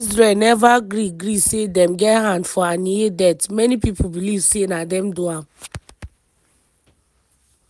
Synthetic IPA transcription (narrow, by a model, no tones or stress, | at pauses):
zɹelnɛvaɡɾiɡɾisedɛ̃mɡɛthãndfɔaniedɛtmɛnipip̩ʰbilivsenadɛ̃mduãm